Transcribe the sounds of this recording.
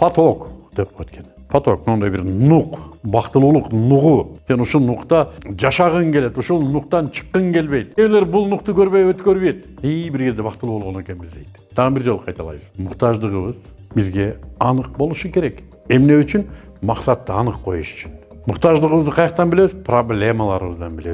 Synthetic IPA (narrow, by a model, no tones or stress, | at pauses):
pʰat̪okd̪̥e̞p̚wøt̪kʰʲe̞npʰat̪ok̚mnɑnd̪ɑjbɪɾnuqbɑqt̪əlˠulˠəqnuʁuse̞nuʃulˠnuqt̪ɑd͡ʒɑʃɑʁəŋkʰʲe̞le̞t̪uʃulˠnuqt̪ɑnt͡ʃʰə̥qːəŋkʰʲe̞lbe̞jd̪̚e̞le̞ɾbʊlˠnuqt̪ʊkʲʰøɾbejwøt̪kʲøɾβet̪ | ibɪɾkʰʲe̞zd̪ebɑqt̪əlˠuːbo̞lˠʁone̞kʲe̞nbɪzd̪e̞jd̪t̪ʰɑʁəbɪɾd͡ʒo̞lˠqʰɑjt̪ɑlˠɑ̰jβəzmʊqt̪ɑʒd̪əʁəβəz | bɪzɡʲe̞ɑnəq̚bo̞lˠuʃukʲʰe̞ɾe̞k | e̞mne̞yt͡ʃyn | mɑqsɑt̪ːəɑnəqqʰo̞̰juʃy̥t͡ʃʰyn | mʊqt̪ɑʒd̪əʁəβəzd̪əqʰɑjɑqt̪ɑnbɪle̞sɪzpʰro̞blʲe̞mɑlˠɑɾəβəzd̪ɑnbɪle̞